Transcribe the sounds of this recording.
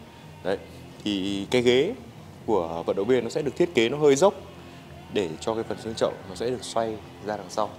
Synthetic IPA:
ɗə˨˦j | t̪ʰi˨˩kaː˨˦jɣe˨˦ | ku˧˩əvə̰˧˨nɗə˧˨wvi˧ənɔ˨˦sɛ̰˧˥ɗɨ˨˩k̚t̪ʰət̚ke˨˦nɔ˨˦ɦəː˧jzə˦˥wk͡p̚ | ɗe˧˩t͡ɕɔ˧kaː˨˦jfə˨˩nzi˧nt͡ɕə̰˧˨wŋ͡mnɔ˨˦sɛ̰˧˥ɗɨ˨˩ək̚swa˧j | zaː˧laː˨˩ŋsa˧w

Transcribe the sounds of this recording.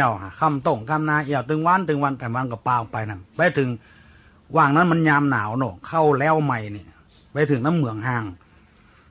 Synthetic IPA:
wha˧˩kʰa˧˩˨mt̪o˧˩ŋkʰa˧˥˨mnaː˧˩˨ʔi˧˩˨wt̪ɯ˨˧˦ŋwa˧˥˨nt̪ɯ˨˦ŋwa˧˥˨nt̪aː˨˩mwa˧˥˨nkɔ˧˩paː˧pa˧jna˧˩pa˧jt̪ʰɯ˨˦ŋ | waː˧˩ŋna˧˥˨nma˧˨nɲaː˧mnaː˨˩˦wnɔː˧˩kʰa˧˥˩wlɛː˧˥˩wma˧˩jni˧˩ | pa˧˩jt̪ʰɯ˨˦ŋna˧˥˨mːɯ˨˦əŋɦaː˧˩ŋ

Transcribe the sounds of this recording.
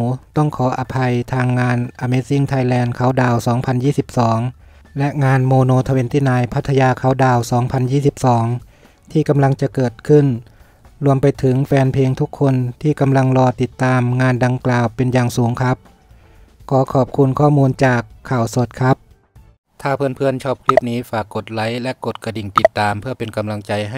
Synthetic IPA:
t̪ɔ˥˩ŋkʰɔː˩˦ʔa˧pʰa˧jt̪ʰaː˧ŋːaː˧nʔa˧me˧si˧˥˨ŋt̪ʰa˧jlɛː˧nkʰa˩˦wdaː˧˩wsɔː˩˦ŋpʰa˧njiː˥˩si˨˧˦p̚sɔː˩˦ŋ | lɛ˦˧˥ʔŋaː˧nmoː˧noː˧t̪ʰa˧we˧˦nt̪iː˧˩naː˧jpʰa˦˥t̪ʰːa˧jaː˧kʰa˨˩˦wdaː˧˩wsɔː˩˦ŋpʰa˧njiː˥˩si˧˦p̚sɔː˩˦ŋ | t̪ʰiː˧˩ka˧mla˧ŋt͡ɕa˨˩ʔkɤː˨˩t̪̚kʰɯ˧˥˩n | ɾu˧əmpa˧jt̪ʰɯ˩˦ŋfɛː˧npʰeː˧ŋt̪ʰu˦˥kʰːo˧nt̪ʰiː˧˩ka˧mla˧ŋlɔː˧t̪i˨˩t̪ːaː˧mŋaː˧nda˧ŋklaː˨˩wpe˧njaː˨˩ŋsuː˩˦ŋkʰa˦˥p̚ | kɔː˧˦kʰɔː˨˩p̚kʰu˧nkʰɔː˥˩muː˧nt͡ɕaː˨˩kʰːaː˨˩wso˨˩t̪̚kʰa˦˥p̚ | t̪ʰaː˧˩pʰɯː˧˥˨npʰɯ˧˥˩ənt͡ɕʰɔː˦˥p̚kʰli˦˥p̚niː˦˥faː˨˩kːo˨˩t̪̚la˨˩˦jlɛ˦˥ko˨˩t̪̚ka˧di˨˩ŋt̪i˨˩t̪ːaː˧mpʰɯ˥˩ɐpe˧nka˧mla˧ŋt͡ɕa˧jɦ

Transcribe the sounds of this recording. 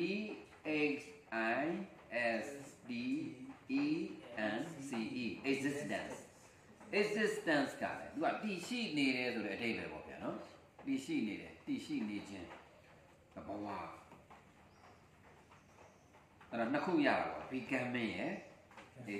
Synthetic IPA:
i˦˨ | e˦ksʔa˨˦jʔɛ˦sdi˨i˦ʔɛ̃˨nsi˨ʔi˨ʔɪ˨kzɪ˦stã̰˨ns | ʔɪ˨zɪ˦stã˨nsɡ̥a̰˦˨lɛ˨t̪u˨a̰˨t̪i˨ʃḭ˦˨ne˨ɾɛ˨so˨ɾɛ˦ʔəde˦bɛ̰˨bɔ̰˦˨bja̰˨nɔ˦ | t̪i˨ʃḭ˦˨ne˨ɾɛ̰˨t̪i˨ʃḭ˦˨ne˨d͡ʑɪ̃˦ | d̪ə˨bə˨wa̰˦˨ | ʔa˦˨ɾɔ˨nəkʰṵ˦˨ja̰˦˨ɾa̰˨ɔ̰˨bi˨kã˨mɪ̃˦˨jɛ˦

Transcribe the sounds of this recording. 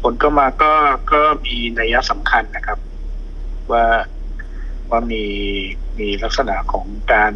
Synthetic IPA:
pʰo˨˦nkʰa˥˩maː˧kɔː˥˩kɔː˥˩miː˧naː˧ja˦˥ʔsa˩˦mkʰa˧nːa˦˥kʰa˦˥p̚ | waː˥˩ | waː˥˩miː˧ | miː˧la˦˥k̚sa˧na̰˨˩ʔkʰɔː˩˦ŋkaː˧n

